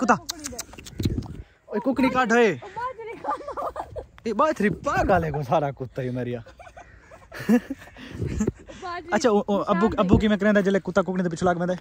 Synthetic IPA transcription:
kʊt̪ːaː | oːikʊkniːkaːɖəːeː | eːɓaːt̪ʰɾiːpãːɡaːlẽːkoːsaːɾaːkʊt̪ːaːiomeːɾɪjaː | ətːʃʰaːəbukəbuːk̬imɛ̃ːk̬ɾẽːd̪aːd͡ʒeːleːkʊt̪ːaːk̬ʊkniːd̪pɪt͡ʃʰolaːɡʋẽːd̪a

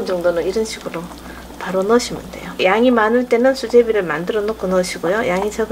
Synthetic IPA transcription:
nd͡ʑʌŋdonɯniɾʌnɕʰiɡɯɾo | paɾonʌɕʰimɯnde̞̰jojaŋimanɯɭt͈e̞nɯnsʰud͡ʑe̞biɾɯɭmandɯɾʌnok͈ɯnʌɕʰiɡojojaŋit͡ɕʰʌɡ

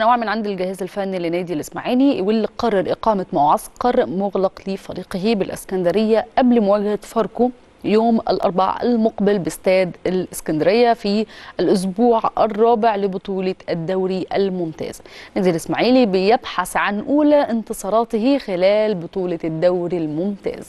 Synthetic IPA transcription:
ʔanawaːʕmɪnʕand̪ilɡahæːzalfænːilːinæːd̪ilɪsmaʕiːliwɪlːiqɑrˤːɑɾˤʔɪqɑːmamawʕɑsqɑɾˤmʊɣlɑqlifɑɾiːqɪɦibɪlʔɪ̰skænd̪ɪɾɪjːaʔablmʊwæːɡhafɑɾˤko | joːmʔɪ̰lʔɑ̰ɾˤba̰ʕa̰lmʊqbɪlbst̪æːd̪ɪlʔɪskænd̪ɪɾɪjːafiʔɪlʔʊs̬buːʕɪrˤːɑːbɪʕlɪbʊt̪ˤuːlɑɪd̪ːawɾiʔalmʊmt̪a̰ːz̥næːd̪ilɪsmaʕiːlibɪjɪbħaθʕanʔuːlaʔɪnt̪ɨsˤɑːɾˤɑːt̪ɪhixɪlæːlbʊt̪ˤuːlɑd̪ːawɾilmʊmt̪æ̰ːz̥

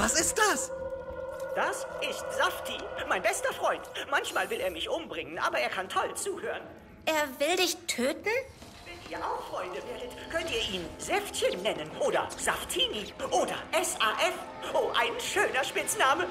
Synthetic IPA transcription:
vasɪst̚d̥as | d̥asʔɪstz̥aftʰimaɪnbɛstɐfʁ̥ɔʏntmançmaːlvɪleːɐmɪçʔʊmbʁɪŋənʔa̰ːbɐeːɐkʰantʰɔlt͡suːhøːʁən | ʔeːɐvɪldɪçtʰøːtn̩ | v̥ɛniːɐʔaʊxfʁ̥ɔʏndəveːɐdətkʰœntiːɐʔiːnzɛftçənːɛnənʔoːdɐ̰zaftʰiːniʔoːdɐ̰ʔɛsʔaːʔɛf | ʔoːʔaɪnʃøːnɐʃpɪt͡snaːmə

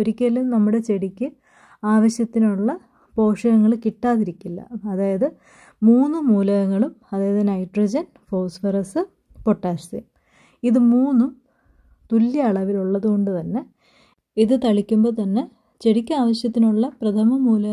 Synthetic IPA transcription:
oɾikʲːɐlːumnɐmːuɽe̞t͡ɕe̞ɽikʲːɨ | aːʋɐɕjɐt̪ːinuɭːɐ | po̞ːʂɐɣɐŋːɐɭkiʈːaːðiɾikʲːilːɐ̰ːðaːjɐðɨ | muːnːumuːlɐɣɐŋːɐɭumɐðaːjɐðɐnɐjʈrɐd͡ʑɐn | fo̞ːsfɐɾɐsɨ | po̞ʈːaːst̪ḭm | iðɨmuːnːum | t̪ulːjɐɐɭɐʋiluɭːɐðuɣo̞ɳɖɨt̪ɐnːe̞ | iðɨt̪ɐɭikʲːumbo̞ːt̪ɐnːe̞ | t͡ɕe̞ɽikʲːuaːʋɐɕjɐt̪ːinuɭːɐprɐt̪ʰɐmɐmuːlɐɣ

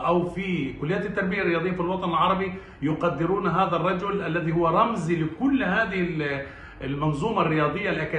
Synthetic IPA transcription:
ʔawfikʊlːɪjːaːt̪t̪ːɑɾˤbɪjarːɪjɑːd̪ɨjːafilwɑt̪ˤɑnɪlʕɑɾˤɑbi | jʊqad̪ːɪɾuːnɦaːðarˤːɑd͡ʒʊlʔalːaðihʊwːaɾˤɑmzilɪkʊlːɦaːðɪhɪl | ɪlmɑnzˤuːmarːɪjɑːd̪ˤɪjːalʔakaː

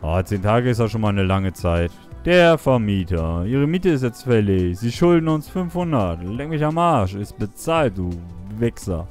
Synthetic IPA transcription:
ʔa̰t͡seːntʰaːɡəɪstaːʃoːnmaːlnəlaŋət͡saɪt | d̥eːɐfɛɐmiːtʰɐʔiːʁ̞əmiːtəɪs̬tjɛt͡stfɛlɪçz̥iːʃʊldn̩ʊnsfʏnfhʊnɐtlɛŋmɪçamaɐʃɪst̚b̥ət͡saːlt̚d̥uːvɛksɐ̰

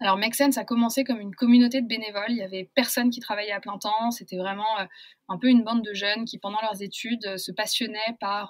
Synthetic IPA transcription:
alɔʁmɛksɛnsakɔmɑ̃sekɔmynkɔmynot̪̬ed̪əbenevɔliljavɛpɛʁsɔnk̬ʲi̥t̪χavajɛaplɛ̃t̪ɑ̃set̪ɛvʁɛmɑ̃ø | ɛ̃pøynbɑ̃d̪̚d̪əʒœnkʲipɑ̃d̪ɑ̃lœʁzet̪yd̪øsəpasjɔnɛpaʁ

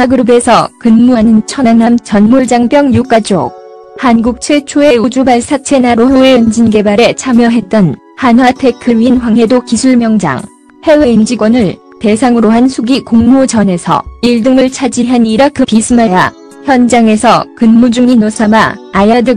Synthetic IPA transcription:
aɡɯɾube̞sʰʌkɯnmuɦanɯnt͡ɕʰʌnanamt͡ɕʌnmuɭd͡ʑaŋpjʌŋjuk͈ad͡ʑo̰k̚ | hanɡuk̚t͡ɕʰet͡ɕʰoe̞ud͡ʑubaɭsʰat͡ɕʰe̞naɾohoeɭʌnd͡ʑinɡe̞baɾe̞t͡ɕʰamjʌɦe̞t̚t͈ʌn | hanwatʰe̞kʰɯɾɥiinɸwaŋɦe̞dokisʰuɭmjʌŋd͡ʑa̰ŋ | he̞weind͡ʑiɡwʌnɯɭ | te̞sʰaŋɯɾoɦansʰuɡikoŋmud͡ʑʌne̞sʰʌ̰iɭdɯŋɯɭt͡ɕʰad͡ʑiɦaniɾakʰɯpisʰɯmaja | çjʌnd͡ʑaŋe̞sʰʌkɯnmud͡ʑuŋinosʰamaajadɯ

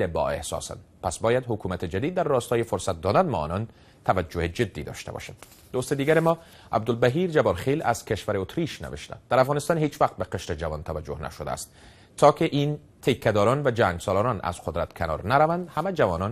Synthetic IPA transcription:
lebɒ̰ḛhsɒ̰ːsæ̰nd̪pæsbɒːjad̪hokuːmæt̪ʰed͡ʒæd̪iːd̪̚ːæɾːɒːst̪ɒːjefoɾsat̪̚d̪ɒːd̪ænd̪mɒ̰ːnɒn | t̪ʰævæd͡ʒːohed͡ʒed̪ːiːd̪ɒ̰ːʃt̪a̰bɒ̰ʃa̰nd̪ | d̪ost̪ed̪iːɡæɾemɒː | æ̰b̚d̪olbæɦiːɾd͡ʒabɒɾχilæ̰z̥kʰeʃvæɾeot̪ɾiʃnḛveʃt̪æ̰nd̪d̪̥æɾæfɣɒːnest̪ɒnhet͡ʃvæq̚t̪̚beqeʃɾed͡ʒavɒːnt̪ʰævæd͡ʒohnæ̰ʃod̪æ̰ːst̪ | t̪ʰːɒːkʰeʔin | t̪ʰekʰːæd̪ɒːɾɒnvæd͡ʒæŋɡsɒːlɔːɾɒnæ̰z̥qʰod̪ɾæt̪kʰenɒ̰ːɾnaɾavænd̪hamæd͡ʒavɒːnɒn

